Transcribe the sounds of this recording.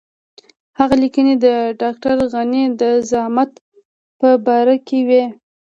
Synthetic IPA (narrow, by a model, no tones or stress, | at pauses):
haɣalikəned̪əɖɑk̚ʈaɾɣanid̪əzahmat̪ | pəbɑɾakewe